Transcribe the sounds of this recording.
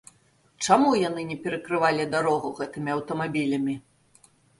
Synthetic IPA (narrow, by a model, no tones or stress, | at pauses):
t͡ʂamujanɨnʲɛpʲɛɾɐkɾɨvalʲid̪aɾɔɣuɣɛt̪ɨmʲiɐwt̪ɐmabʲilʲɐmʲi